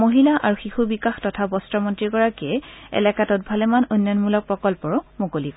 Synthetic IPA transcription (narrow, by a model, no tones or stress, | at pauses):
moɦilaʔa̰ɹuxixubikaxtɔtʰabɔstɹɔmɔntɹikɔɹakiɛɛ̰lakatɔt̚bʱalɛmanojnːjɔnmulɔk̚pɹɔkɔlpɔɹʊmokolikɔ